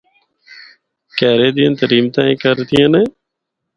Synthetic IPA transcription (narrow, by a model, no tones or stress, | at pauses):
kɛːɾeːd̪ijãːt̪əɾiːmt̪ãːẽːkəɾt̪ɪjãːnɛː